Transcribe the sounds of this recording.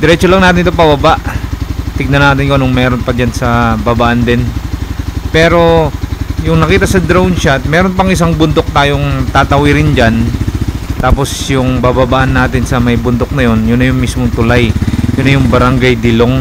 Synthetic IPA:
d̪ɛɾɛt͡ʃolɐŋnaːt̪ɪnɪt̪opɐbɐbaʔ | t̪ɪɡ̚nɐnaːt̪ɪnkoʔnʊŋmɛːɾo̞npɐd͡ʒansɐbabaːʔɐnd̪ɪn | pɛːɾo̞ | jʊŋnɐkiːt̪ɐsɐd̪ɾownt͡ʃat̪̚mɛːɾonpɐŋʔɪsaŋbʊnd̪o̞k̚t̪aːjoŋt̪aːt̪ɐwɪɾɪnd͡ʒan | t̪aːpo̞sjʊŋbababaʔɐnːaːt̪ɪnsɐmɐjbʊnd̪ok̚nɐjo̞njʊnːɐjʊŋmismoŋt̪ʊlajjʊnːɐjʊŋbɐɾɐŋɡajd̪ɪloŋ

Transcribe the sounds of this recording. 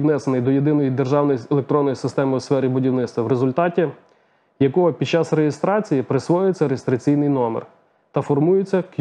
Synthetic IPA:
wnɛsenɪjd̪ɔjed̪ɪnɔjid̪e̞rʒɑwnɔjielˠekt̪ɾɔnːɔjisɪst̪ɛmɪwsfɛɾʲibʊdʲiwnɪt̪st̪ʋɐwɾezʊlʲt̪ɑtʲi | jɐkɔɦɔpʲid̪t͡ʃɑsrejɪst̪ɾɑt͡sʲijipɾɪsʋɔjʊjet͡sʲːɐɾejɪst̪ɾɐt͡sʲijnɪjnɔmḛr | t̪ɐfɔrmujɪt͡sʲːɐk

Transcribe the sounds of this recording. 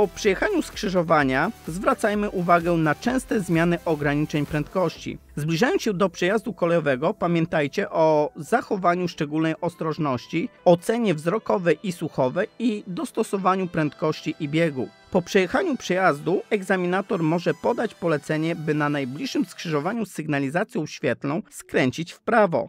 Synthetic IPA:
pɔpʂɛjɛxaɲuskʂɘʐɔvaɲazvɾat̪sajmɘʔuvaɡɛnat͡ʂɛ̃w̃st̪ɛzmʲjanɘʔɔɡɾaɲit͡ʂɛɲpɾɛnt̪̚kɔɕt͡ɕḭ | zblʲiʐajɔnsɕɛd̪ɔpʂɛjazd̪ukɔlɛjɔvɛɡɔpamʲjɛ̃nt̪ajt͡ɕɛʔɔzaxɔvaɲuʂt͡ʂɛɡulnɛjɔst̪ɾɔʐnɔɕt͡ɕiɔt̪sɛɲɛvzɾɔkɔvɛʔisuxɔvɛid̪ɔst̪ɔsɔvaɲupɾɛnt̪kɔɕt͡ɕiʔibʲjɛɡu | pɔpʂɛjɛxaɲupʂɛjazd̪uɛɡzamʲinat̪ɔɾmɔʐɛpɔd̪at͡ɕpɔlɛt̪sɛɲɛbɘnanajblʲiʂːɘmskʂɘʐɔvaɲusɘɡnalʲizat̪sʲjɔ̃w̃ɕfʲjɛt̪lɔ̃w̃skɾɛɲt͡ɕit͡ɕfpɾavɔ̰

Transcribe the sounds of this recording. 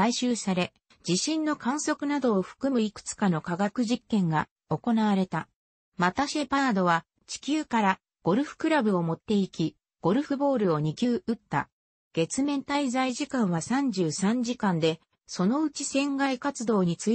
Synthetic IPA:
aiɕɨːsaɾe̞ | d͡ʑiɕĩnːo̞kãɰ̃so̞kɯ̟nad̪o̞ːɸɯ̥kɯ̟mɯ̟ikɯ̟̥t͡sɨ̥kano̞kaɡakɯ̟ʑikːẽ̞ŋɡa | o̞ko̞naβ̞aɾe̞t̪a | mat̪aɕepaːd̪o̞βa | t͡ɕi̥kʲɨːkaɾa | ɡ̥o̞ɾɯ̟ɸɯ̟̥kɯ̟ɾabɯ̟o̞mo̞t̪ːe̞ikʲi | ɡ̥o̞ɾɯ̟ɸɯ̟bo̞ːɾɯ̟o̞ɲ̟ikʲɨːɯ̟t̪ːa̰ | ɡ̥e̞t͡sɨmẽ̞nt̪aizaiʑikãɰ̃βasãɲ̟d͡ʑɨːsãɲd͡ʑikãnd̪e̞ | so̞no̞ɯt͡ɕisẽ̞ŋɡaikat͡sɨd̪o̞ːɲ̟it͡sɨ

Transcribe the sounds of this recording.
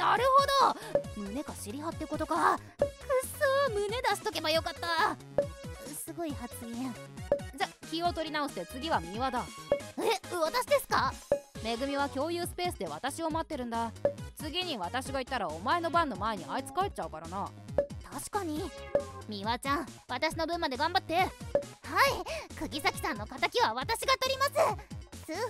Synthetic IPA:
naɾɯ̟ho̞d̪o̞mɯ̟ne̞kaɕiɾʲiɦat̪ːeko̞t̪o̞ka | kɯ̟sɨːmɯ̟ne̞d̪aɕi̥t̪o̞ke̞bajokat̪ːa | t͡sɨsɨɡo̞ihat͡sɨɡẽd͡ʑakʲio̞t̪o̞ɾʲinaoɕɨ̥t̪e̞t͡sɨɡʲiβamʲiβad̪aeβat̪aɕid̪e̞sɨ̥kame̞ɡɯ̟mʲiβ̞akʲo̞ːjɯ̟ːsɨ̥pe̞ːsɨd̪e̞βat̪aɕio̞mat̪ːe̞ɾɯ̟̃nd̪at͡sɨɡʲiɲ̟iβat̪aɕiɡait̪ːaɾaomae̞no̞bãnːo̞mae̞ɲ̟iait͡sɨ̥kae̞t͡ɕaɯ̟kaɾanat̪aɕi̥kaɲ̟imʲiβat͡ɕãɰ̃βat̪aɕino̞bɯ̟̃mːad̪e̞ɡãmbat̪ːe̞haikɯ̟ɡʲisakʲi̥sãnːo̞kat̪akʲiβaβat̪aɕiɡat̪o̞ɾʲimasɨt͡sɨ

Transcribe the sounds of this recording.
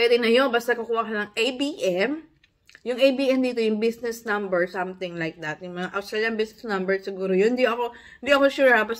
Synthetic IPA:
pwɛd̪ɪnɐjonbast̪akɐkuːhɐkɐnɐŋʔejbiʔɛm | jʊŋʔejbiːʔɛmd̪iːt̪o̞jʊŋbisnɛsnɐ̃mbɛɹsɐ̃mt̪ɪ̃ŋlajk̚d̪ɐt̪̚jʊŋmɐŋaʔɐwst̪ɛːljɐnbisnɛsnɐmbɛɹsɪɡuːɾojonnd̪iɐko̞ | hɪnd̪iʔɐko̞ʃuːɾɐbas

